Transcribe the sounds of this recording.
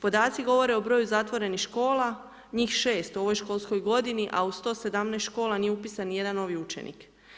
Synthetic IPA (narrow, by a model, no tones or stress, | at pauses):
po̞d̪aːt̪siɡo̞ʋo̞ɾe̞o̞bɾo̞ːjuzat̪ʋo̞ɾe̞nixʃko̞ːla | ɲiːxʃe̞ːst̪uo̞ʋo̞jʃko̞lˠsko̞jɡo̞d̪iniʔaust̪o̞ːse̞d̪amnest̪ʃko̞ːlˠanijeupiːsanje̞d̪anːo̞ʋiut͡ʃḛnḭk